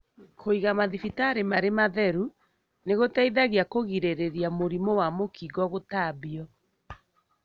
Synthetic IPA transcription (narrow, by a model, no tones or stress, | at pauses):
kʰoiɣamaðifitaːɾemaɾemaðɛɾu | neɣotaiðaɣjakoɣiɾeɾeɾjamoɾimowamokiɣɔɣotabiɔ